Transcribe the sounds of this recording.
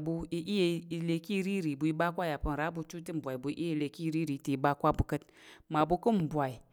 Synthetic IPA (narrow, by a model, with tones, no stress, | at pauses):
bu˧i˦ʔi˦je˨˦i˨le˨ki˦˨˦ɾi˦ɾi˨bu˨i˦ba˦kʷa˦ja˨pu˦n˨ɾa˨˦bu˨t͡ʃu˦ti˦m̩˨bʷa˨i˨bu˨˦ʔi˦je˦˨le˨ki˦˨˦ɾi˦ɾi˨ti˨i˨ba˦kʷa˦bu˨kɨ˦t̚ | ma˨bu˧ku˦m̩˨bʷa˨i˨